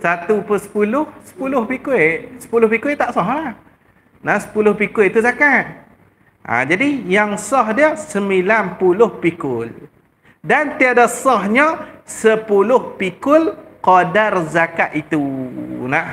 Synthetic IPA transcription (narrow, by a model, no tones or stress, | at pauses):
sat̪upəsə̥pulʊhsə̥pulʊhpikuesə̥pulʊhpikuet̪aʔsɔɦlah | nahsə̥pulʊhpikʊʔt̪uzakat̪̚ | ʔa̰d͡ʒadijaŋsɔhdiəsəmbilanpulʊhpikʊl | dant̪iadasɔhɲəsəpulʊhpikʊlqɔdarzakaʔ̪it̪unah